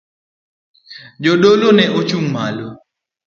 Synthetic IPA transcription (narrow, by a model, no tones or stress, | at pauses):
d͡ʒoɗolonɛʔot͡ʃum̩malo